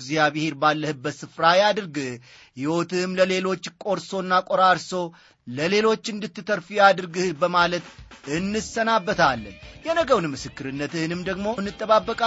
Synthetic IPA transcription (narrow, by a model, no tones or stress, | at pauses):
ɡzijaβɨheɾbalːəhɨbːət̪sɨfɾajad̪ɨɾɡɨh | hɪwo̞t̪ʰɨmləle̞lo̞t͡ʃːkʼo̞ɾso̞ɨnːakʼoɾaɾso̞ | ləle̞lo̞t͡ʃːɨnd̪ɨt̪ːɨt̪ʰəɾfijad̪ɨɾɡɨhbəmalət̪ɨnːɨsənabːət̪ʰalːə̰njɛnəɡəwnɨmːɨsɨkːɨɾɨnːət̪ɨhɨnɨmd̪əɡmo̞nːɨt̪ʼːəβabːəkʼa